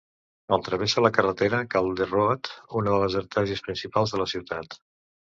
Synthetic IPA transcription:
əlˠt̪ɾəβ̞esələkərət̪eɾəkalˠd̪əroət̪unəðələzəɾt̪ʰaʒəspɾinsipalˠzðələsiwt̪at̪

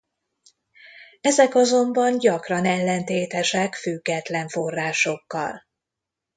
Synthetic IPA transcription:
ɛzɛkɒzo̞mbɒnɟɒkrɒnɛlːɛnt̪eːt̪ɛʃɛkfyɡːɛt̪lɛɱfo̞rːaːʃo̞kːɒ̰l

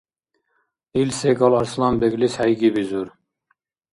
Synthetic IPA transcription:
ilseɡɑlˠɑɾslˠɑmbeɡlishæjɡibizuɾ

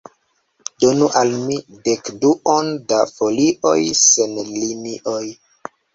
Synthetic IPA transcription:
donuʔalmidekduʔondafoliʔo̞̰jsenliniʔoj

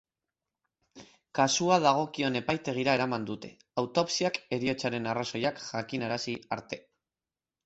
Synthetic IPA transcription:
kasuað̞aɣ̞o̞kio̞ne̞pajt̪e̞ɣ̞iɾae̞ɾamand̪ut̪e̞̥̰ | awt̪o̞psiake̞ɾio̞t͡saɾe̞naraso̞jakʝakinaɾasiaɾt̪e̞

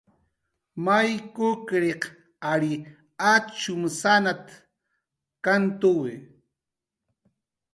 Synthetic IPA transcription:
majkʊkɾeq | aɾi | at͡ʃʊmsanat̪ | kant̪ʊwɪ

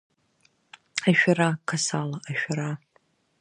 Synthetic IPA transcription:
aʃᶣaɾakʰasalaʔaʃᶣaɾa

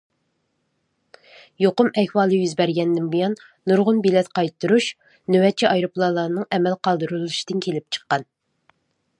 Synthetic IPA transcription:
joqʊmɛhwɑːlˠɨjyzbɛɾɡʲɛnd̪ɪnbujɑnː | uɾʁʊnbilɛt̪qɑjt̪ʰːuɾuʃ | nywɛt͡ʃʰiʔɑjɾoplˠɑːlˠɑnɨŋɛmɛlqɑlˠd̪ɨɾulˠuʃi̥d̪̥ɪnkʲʰelɪp̚t͡ʃʰə̥qːɑn

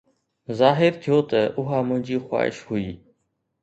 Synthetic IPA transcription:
zaːɦɪɾt̪ʰijoːt̪ʰəʔʊɦaːmənd͡ʒiːxwa̰ːɪ̰ʃhuiː

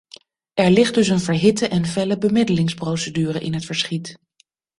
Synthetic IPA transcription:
ʔɛɹlɪχd̚dɵsənvəɹɦɪtəʔɛnvɛləbəmɪdəlɪŋsprowsədyːrəʔɪnɦətfəɹsχit

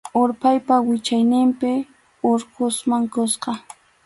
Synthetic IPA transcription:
oɾpajpawɪt͡ʃajnɪmpɪ | oɾqʊsmaŋkosqɑ

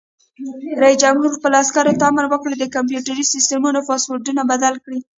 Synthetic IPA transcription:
ɾaisd͡ʒamhuɾpəlɑskaɾot̪amaɾwəkɽed̪əkamp̬juʈaɾisɪstemunofɑswoɾdunabad̪alkɽi

